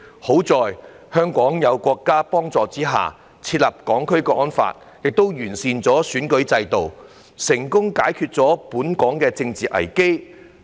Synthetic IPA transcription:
ho˨˥wt͡sɔː˨j | hœː˥ŋkɔː˨˥ŋjɐ˨˧wkʷɔː˧kːaː˥pɔː˥ŋt͡sɔː˨t͡siː˥ɦa̰ː˨˩ | t͡sʰiː˧t̚lɐ˨p̚kɔː˨˥ŋkʰɵ˥ɥkɛː˧ʔɔː˥nfa̰ː˧t̚ | jɪ˨k̚t̪o˥wjyː˨˩nsiː˨nt͡sɔː˨˥syː˨˥nkɵ˨˥ɥt͡sɐ˧jt̪o˨w | sɪ˨˩ŋkʊ˥ŋkaː˨˥jkʰyː˧t̚t͡sɔː˨˥puː˨˥nkɔː˨˥ŋkɛː˧t͡sɪ˧ŋt͡siː˨ʔɐ̰˨˩jke˥j

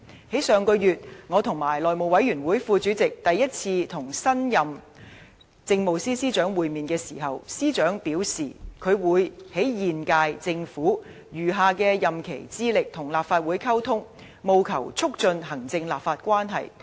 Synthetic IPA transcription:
he˨˥jsœː˨˧ŋkɔ˧jyː˨t̚ŋɔː˨˧t̪ʰʊ˨˩ŋmaː˨˩jlɔː˨˩jmo˨wɐ˨˥jyː˨˩nwuː˨˥jfuː˧t͡ʃyː˨˥t͡sɪ˨k̚t̪ɐ˨jːɐ˥t̚t͡sʰiː˧t̪ʰʊ˨˩ŋsɐ˥njɐ˨m | t͡sɪ˧ŋmo˨˧wsiː˥siː˥t͡ʃœː˨˥ŋwuː˨jmiː˨nkɛː˧siː˨˩ɦɐ˨wsiː˥t͡ʃœː˨˥ŋpiː˨˥wsiː˨˩kʰɵ˨˧ɥwuː˨˧jhe˨˥jːiː˨nkaː˧jt͡sɪ˧ŋfuː˨˥ | jyː˨˩ɦaː˨kɛː˧jɐ˨mkʰe˨˩jt͡siː˥lɪ˨k̚t̪ʰʊ˨˩ŋlaː˨˩p̚faː˧t̚wuː˨˥jkʰa˥wt̪ʰʊ˥ŋ | mo˨˧wkʰɐ̰˨˩wt͡sʰʊ˥k̚t͡ʃɵ˧nɦɐ˨˩ŋt͡sɪ˧ŋlaː˨˩p̚faː˧t̚kʷwaː˥nɦɐ̰˨j

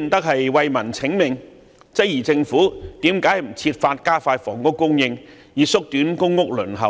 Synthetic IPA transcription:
nt̪ɐ˥k̚hɐ˨jwɐ˧jmɐ˨˩nt͡sʰɪ˨˥ŋmɪ˨ŋ | t͡sɐ˥k̚jiː˨˩t͡sɪ˧ŋfuː˨˥t̪iː˨˥mkaː˨˥jm̩˨˩t͡sʰiː˧t̚faː˧t̚kaː˥faː˧tfɔː˨˩ŋkʊ˥kːʊ˥ŋjɪ˧ŋ | jiː˨˧sʊ˥k̚t̪yː˨˥nkʊ˥ŋːʊ˥k̚lɵ˨˩nɦɐ̰˨˩w

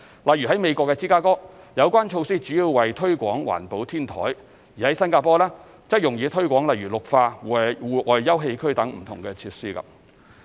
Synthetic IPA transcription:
lɐ˨˩jyː˨˩ɦɐ˨˥jme˨˧jkʷwɔː˧kːɛː˧t͡siː˥kaː˥kɔː˥ | jɐ˨˧wkʷwaː˥nt͡ʃʰo˧wsiː˥t͡syː˨˥jiː˧wwɐ˨jt̪ʰɵ˥ɥkʷɔː˨˥ŋwa̰ː˨˩npo˨˥wt̪ʰiː˥nt̪ʰɔ̰ː˨˥j | jiː˨˩hɐ˨˥jsɐ˥nkaː˧pɔː˥lɛː˥ | t͡sɐ˥k̚jʊ˨ŋjiː˨˧t̪ʰɵ˥ɥkʷɔː˨˥ŋlɐ˨˩jɥyː˨˩lʊ˨k̚faː˧˨wuː˨˩ʔɔː˨˧jːɐ˥wɦe˧jkʰɵ˥ɥt̪ɐ˨˥ŋm̩˨˩t̪ʰʊ˨˩ŋkɛː˧t͡sʰiː˧p̚siː˥kɐ̰˧p̚

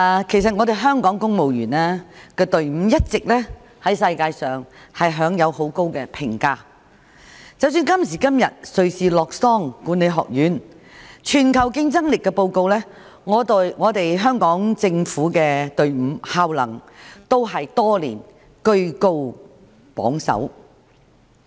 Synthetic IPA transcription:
kʰe˨˩js̬ɐ˨t̚ŋɔː˨˧t̪e˨jɦœː˥ŋkɔː˨˥ŋkʊ˥ŋmo˨wjyː˨˩naː˥kɛː˧t̪ɵ˨ɥm̩˨˧˥jɐ˥t̚t͡sɪ˨k̚lɛː˥ | hɐ˨˥jsɐ˧jkaː˧jsœː˨ŋhɐ˨jɦœː˨˥ŋjɐ˨˧who˨˥wko˥wkɛ˧pʰɪ˨˩ŋkaː˧ | t͡sɐ˨˧ws̬yː˧nkɐ˥msiː˨˩kɐ˥mjɐ̰˨t̚sɵ˨ɥsiː˨˩lɔː˨˩k̚sɔː˥ŋkuː˨˥ne˨˧jɦɔ̰ː˨k̚jyː˨˥n | t͡ʃʰyː˨˩nkʰɐ˨˩wkɪ˥ŋt͡sɐ˥ŋlɪ˨kːɛ˧po˧wko˧wlɛː˥ | ŋɔː˨˧˨ŋɔː˨˧t̪e˨jɦœː˥ŋkɔː˨˥ŋt͡sɪ˧ŋfuː˨˥kɛː˧t̪ɵ˨ɥm̩˨˧˥haː˧wlɐ̰˨˩ŋt̪o˥wɦɐ˨jt̪ɔː˥lḭː˨˩n | kɵ˧˥ɥko˥w | pɔ̰ː˨˥ŋsɐ̰˨˥w

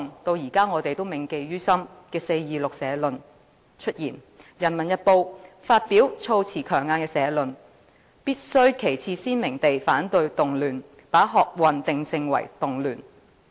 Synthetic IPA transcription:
ŋt̪o˧wjiː˨˩kaː˥ŋɔː˨˧t̪e˨jt̪o˥wmɪ˨ŋke˨jɥyː˥sɐ˥mkɛː˧se˧jjiː˨lʊ˨k̚sɛː˨˧lɵ˨n | t͡ʃʰɵ˥t̚jiː˨˩n | jɐ˨˩nmɐ˨˩njɐ˨˧t̚po˧w | faː˧t̚piː˨˥wt͡sʰo˧wt͡sʰiː˨˩kʰœː˨˩ŋaː˧nkɛː˧sɛː˨˧lɵ˨n | piː˥t̚sɵ˥ɥkʰe˨˩jt͡sʰiː˧siː˥nmɪ˨˩ŋt̪e˨jfaː˨˥nt̪ɵ˧ɥt̪ʊ˨ŋlyː˨˩n | paː˨˥ɦɔː˨k̚wɐ˨nt̪ɪ˨ŋsɪ˨ŋwɐ̰˨˩jt̪ʊ˨ŋlyː˨˩n

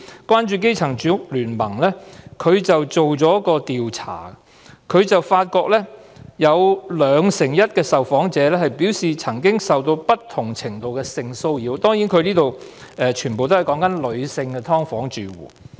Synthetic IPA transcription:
kwaː˥nt͡ʃyː˨˧k̬e˥jt͡sʰɐ˨˩ŋt͡ʃy˨˧˥ʊ˥k̚lyː˨˩nmɐ˨˩ŋlɛː˥kʰɵ˨˧ɥt͡sɐ˨wt͡so˨wt͡sɔː˨˥kɔː˧t̪iː˨wt͡sʰa̰ː˨˩ | kʰɵ˨˧ɥt͡sɐ˨wfaː˧t̚kɔː˧k̚lɛː˥jɐ˨˧wlœː˨˧ŋsɪ˨˩ŋjɐ˥t̚kɛː˧sɐ˨wfɔː˨˥ŋt͡sɛː˨˥lɛː˥ɦɐ˨˩jpiː˨˥wsiː˨t͡sʰɐ˨˩ŋkɪ˥ŋsɐ˨wt̪o˧wpɐ˥t̚t̪ʰʊ˨˩ŋt͡sʰɪ˨˩ŋt̪o˨wkɛː˧sɪ˧ŋso˧wjiː˨˧wt̪ɔː˥ŋjiː˨˥nkʰɵ˨˧niː˥t̪o˨w | ɛː˨t͡ʃʰyː˨˩npo˨wt̪o˥ɐ˨˩jkɔː˨˥ŋkɐ˥nlɵ˨˧ɥsɪ˧ŋkɛ˧t̪ʰɔː˥ŋfɔː˨˥ŋt͡ʃyː˨wṵː˨˩

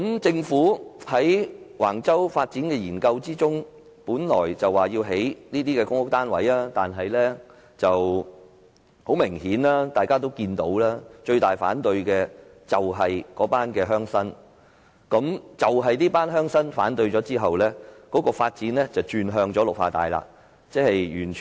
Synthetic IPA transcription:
kɐ˨˥mt͡sɪ˧ŋfuː˨˥hɐ˨˥jwa̰ː˨˩ŋt͡sɐ˥wfaː˧t̚t͡siː˨˥nkɛː˧jiː˨˩nkɐ˧wt͡siː˥t͡sʊ˥ŋ | puː˨˥nlɔ̰ː˨˩jt͡sɐ˨waː˨˩jiː˧wɦe˨˥jniː˥t̪iː˥kɛː˧kʊ˥ŋhʊ˥k̚t̪aː˥nwɐ̰˨˥jaː˥t̪aː˨nɦɐ˨jlɛː˥ | t͡sɐ˨w | ho˨˥wmɪ˨˩ŋhiː˨˥nlaː˥t̪aː˨jkaː˥t̪̬o˥wkiː˧nt̪o̰˨˥wlaː˥t͡ʃɵ˧ɥt̪aː˨jfa̰ː˨˥nt̪ɵ˧ɥkɛ˧ | t͡sɐ˨wɦɐ˨jkɔː˨˥paː˥nkɛː˧ɦœː˥ŋsɐ˥n | kɐ˨˥mt͡sɐ˨wɦɐ˨jniː˥paː˥nɦœː˥ŋsɐ˥nfaː˨˥nt̪ɵ˧ɥt͡ʃɔː˨˧˥t͡siː˥ɦɐ˨wlɛː˥kɔː˨˥kɔː˧faː˧t̚t͡siː˨˥nlɛ˥t͡sɐ˨wt͡ʃyː˨˧nɦœː˧ŋt͡ʃɔː˨˥lʊ˨k̚faː˧t̪a̰ː˨jla̰ː˧ | t͡sɛː˥hɐ˨jjyː˨˩nt͡ʃʰ

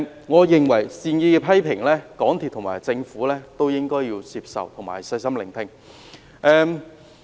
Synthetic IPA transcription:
ŋɔː˨˧jɪ˨ŋwɐ˨˩jsiː˨˧njiː˧kɛ˧pʰɐ˥jpʰɪ˨˩ŋlɛː˥kɔː˨˥ŋt̪ʰiː˨p̚t̪ʰmaː˨˩jt͡sɪ˧ŋfuː˨˥lɛː˥t̪o˥wjɪ˥ŋkɔː˥jiː˧wsiː˧p̚sɐ̰˨wt̪ʰʊ˨˩ŋmaː˨˩jsɐ˧jsɐ˥mlɪ˨˩ŋt̪ʰɪ˧ŋ | ʔɛː˧m

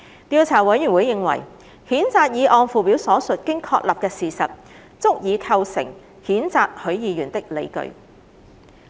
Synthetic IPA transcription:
t̪iː˧wt͡sʰaː˨˩wɐ˨˥jyː˨˩nwu˨˧jːɪ˨ŋwɐ̰˨˩j | hiː˨˥nt͡saː˧k̚jiː˨˧ʔɔː˧nfuː˨piː˨˥wsɔː˨˥sɵ˨t̚kɪ˥ŋkʰɔː˧k̚lɐ˨p̚kɛː˧siː˨˩sɐ̰˨t̚ | t͡sʊ˥k̚jiː˨˧kʰɐ˧wsɪ̰˨˩ŋ | hiː˨˥nt͡saː˧k̚hɵ˨˥ɥjiː˨˧jyː˨˩nt̪ɪ˥k̚lḛ˨˧jkɵ̰˧ɥ

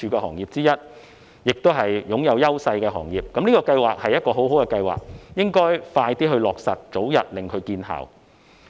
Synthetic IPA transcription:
yː˧kɛː˧hɔː˨˩ŋjiː˨˩p̚t͡siː˥jɐ˥t̚ | jɪ˨k̚t̪o˥wɦɐ˨jjʊ˨˥ŋjɐ˨˧wjɐ˥wsɐ˧jkɛː˧ɦɔː˨˩ŋjiː˨p̚kɐ˨˥mniː˥kɔː˧kɐ˧jwaː˨k̚hɐ˨jɐ˥t̚kɔː˧ɦo˨˥wɦo˨˥wkɛː˧kɐ˧jwa̰ː˨k̚jɪ˥ŋkɔː˥jfaː˧jt̪iː˥ɦɵ˧ɥlɔː˨˩k̚sɐ˨t̚t͡so˨˥wjɐ˨t̚lɪ˨ŋkʰɵ˨˧ɥkiː˧nɦa̰ː˨˩w

